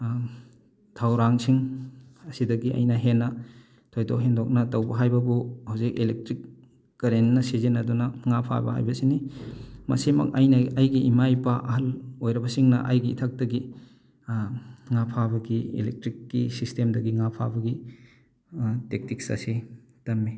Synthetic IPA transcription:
tʰawɾaŋsiŋɐsidɐɡiʔɐ̰jnɐɦenːɐ | tʰojdo̰kɦendɔk̚nɐtɐwbɐɦajbɐbuhawzik̚ilek̚tɾikː | ɐɾenːɐsezenɐdunɐŋapʰa̰bɐ̰ha̰jbɐsinimɐ̰semɐ̰kɐjnɐɐjɡiimajpɐʔɐɦɐlojɾɐbɐsiŋnɐ̰ʔɐ̰jɡiːtʰɐk̚tɐɡi | ŋapʰabɐɡiḭlek̚tɾikːisistemdɐɡiŋapʰa̰bɐɡi | tek̚tik̚sɐ̰si | tɐmːi

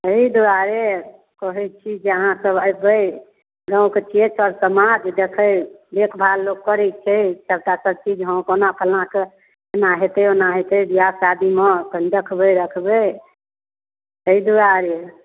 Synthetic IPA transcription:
əid̪uɾaɾe | kɔɦɛt͡ʃʰid͡ʒeəɦãsəbəbəj | ɡãket͡ʃʰet͡ʃʰəɾsəmad͡ʒd̪ekʰəj | bekʰbʱalloɡ̚kːəɾɛt͡ʃʰɛt͡ʃəbt̪asəb̚t͡ʃid͡ʒɦə̃konapʰəlãke | naɦet̪əjonaɦet̪əjb̪ijasad̪imed̪ekʰbəɾəkʰbe | əid̪uɾaɾe

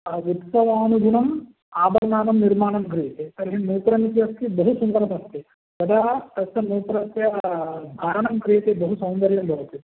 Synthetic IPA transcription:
ut̪sɐʋaːnuɡʱuɳɐm | aːbɐɾnaːnɐmniɾmaːɳɐmkɾijɐt̪et̪ɐɾiɦinuːpɾɐmit̪jɐst̪ibɐɦusund̪ɐɾɐmɐst̪ːi | d̪ɐd̪ɐt̪ɐsɐnuːp̪ɾɐt̪jɐd̪ʱaːɾɐɳɐmkɾijɐt̪ebɐɦusɐwnd̪ɐɾjɐmbʱɐʋɐt̪i

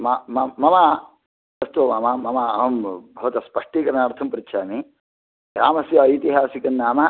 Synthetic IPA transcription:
mamɐmɐma | ɐst̪ɐmaːmamɐmaɐɦɐmbʱɐʋɐt̪ɐspɐʂʈiːkɐɾnaːɽt̪ʰɐmpuɾitːʃʰaːmi | ɡɾaːmɐsjɐit̪iɦaːsikɐnːaːmɐ

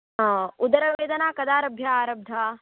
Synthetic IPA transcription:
ɦaud̪ɐɾɐʋeːd̪ɐnaːkɐd̪aːɾɐbʱjaaːɾɐb̚d̪ʱaː

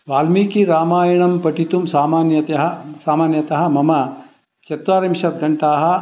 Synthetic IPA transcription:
ʋaːlmiːkiɾaːmaːjɐɳɐmpɐʈit̪umsaːmaːnjɐt̪ɐɦɐsaːmaːnjɐt̪ɐɦɐ̆mɐmɐ | t͡ʃɐt̪ʋaːɾimʃɐt̪̚ɡʱɐɳʈaːɦɐ̆

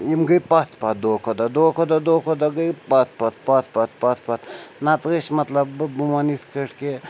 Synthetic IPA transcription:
imɡəjpat̪pat̪̚d̪oːkʰod̪ɐd̪okʰod̪ɐd̪oːkʰod̪aɡəjpat̪pat̪pat̪pat̪̚pat̪ʰpat̪nat̪ɣiʃmɐt̪lɐbːumanit̪kəʈke

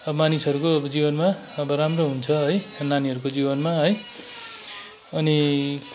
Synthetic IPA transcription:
ʌʌmanisʌɾukoʌbʌd͡zibʌnma | ʌbʌɾamroɦunt͡sʰʌɦʌjnaniɦʌɾukod͡zibʌnmaɦʌj | ʌni

